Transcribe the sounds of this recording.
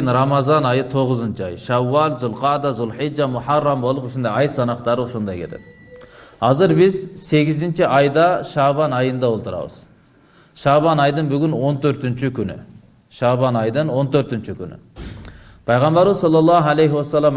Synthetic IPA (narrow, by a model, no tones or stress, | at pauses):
nɾɑmɑzɑnɑjət̪ʰoʁəzənt͡ʃʰɪɑ̰jʃæwːɑlzʊlˠqɑd̪ɑzʊlˠħid͡ʒɑmʊħɑrːɑmbo̞lˠəpʏʃɪnd̪ɑɑjsɑnɑqt̪ɑɾəʊʃond̪ɑjkʰʲḛt̪ʰed̪ɪ̥ | hɑzəɾbɪzse̞ɡʲɪzɪnt͡ʃɪʔɑjd̪ɑʃɑbɑnɑjənd̪ɑwolˠt̪əɾɑ̰wə̰z̥ | ʃɑbɑnɑjd̪əɴbʏɡʲɪnwo̞nt̪ʰɵɾt̪ɪnt͡ʃɪkʲʰʏnɪ̰ | ʃɑbɑnɑjd̪əɴwo̞nt̪ʰøɾt̪ɪnt͡ʃɪkʲʰʏnɪ̰ | pʰɑjʁɑmbɑɾmzɑlˠːɑlˠːɑɦælejɦwɑsːɑlˠːɑm